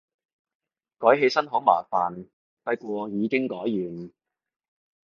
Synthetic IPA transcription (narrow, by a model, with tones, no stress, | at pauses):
kɔː˨˥jɦe˧jsɐ˥nɦɔː˨˥ma̰ː˨˩faː˨n | t̪ɐ˧˥jkɔː˧jiː˨˧kɪ˥ŋkɔː˨˥jːyː˨˩n